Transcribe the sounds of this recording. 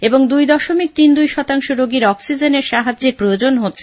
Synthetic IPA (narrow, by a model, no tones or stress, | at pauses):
eboŋd̪ujd̪ɔʃomik̚t̪ind̪ujʃɔt̪aŋʃoɾoɡiɾɔksid͡ʑeneɾʃaɦad͡ʑeɾpɾojod͡ʑonɦotːɕʰe̥